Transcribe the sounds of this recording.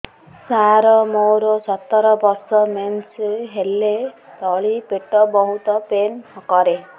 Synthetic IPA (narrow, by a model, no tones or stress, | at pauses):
saɾɔmowɾosɔt̪ːɔɾɔbɔɾsɔmensɦelːet̪ɔɭipeʈɔbɔɦut̪ɔpenhɔkɔɾe